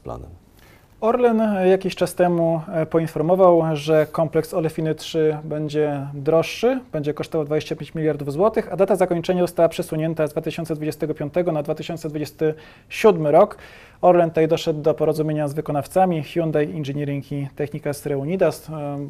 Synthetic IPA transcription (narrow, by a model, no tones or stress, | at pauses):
pla̰nɛ̰m | ɔɾlɛnjakʲiɕt͡ʂast̪ɛmupɔinfɔɾmɔvawʐɛkɔmplɛksɔlɛfʲinɘtʂɘbɛɲd͡ʑɛd̪ɾɔʂːɘbɛɲd͡ʑɛkɔʂt̪ɔvawd̪vad͡ʑeɕt͡ɕapʲjeɲt͡ɕmʲilʲjaɾd̪uvzwɔt̪ɘxad̪at̪azakɔɲt͡ʂɛɲazɔst̪awapʂɛswuɲɛnt̪azd̪vat̪ɘɕɔnt̪sɛd̪vud͡ʑest̪ɛɡɔpʲjɔ̃nt̪ɛɡɔnad̪vat̪ɘɕɔnt̪sɛd̪vud͡ʑɛst̪ɘ | ɕud̪mɘɾɔk | ɔɾlɛnt̪ajd̪ɔʂɛd̪ːɔpɔɾɔzumʲeɲazvɘkɔnaft̪samʲixʲjund̪ajinʐɘɲɛɾʲɘŋkʲit̪ɛxɲikasɾɛuɲid̪as